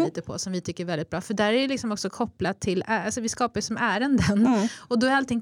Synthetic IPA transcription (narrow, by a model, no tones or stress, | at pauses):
iːt̪əpʰɔ̰sɔmvɪt̪ʰʏkːəɾvɛld̪ɪt̪̚bɾɑːfœɖæːɾæɖɛlɪksɔmɔksɔkʰɔpːlat̪ʰɪlæalsɔvɪskɑːpajʉsɔmæːɾənd̪ənɔd̪ɔæɾalt̪ɪŋː